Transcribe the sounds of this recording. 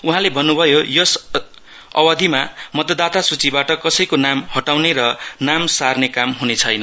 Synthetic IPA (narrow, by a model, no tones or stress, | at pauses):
uɦãlebʱʌnːubʱʌjojʌs | ʌwʌd̪ʱimamʌt̪ʌd̪at̪asut͡sibaʈʌkʌsʌjkonamhʌʈawneɾʌnamsarnekamɦunet͡sʰʌjnʌ